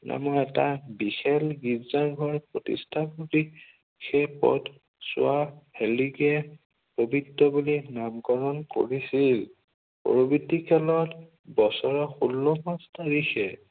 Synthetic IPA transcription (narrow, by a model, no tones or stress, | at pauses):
na̰mɔɛtabixɛlɡizaɡʱɔɹpɹotḭstʰapoti | xejpɔ̰t | sʊ̰ahɛliɡɛ | pobʱidɔbulinamɡɔɹɔnko̰ɹisil | pɔ̰ɹobitikʰɛlɔt | bɔsɔɹɔxulːɔmastaɹixɛ